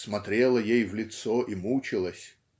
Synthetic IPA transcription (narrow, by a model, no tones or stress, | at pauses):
smɐt̪ɾʲe̞lˠəjejvlʲɪt̪soʔimut͡ɕɪlˠəsʲ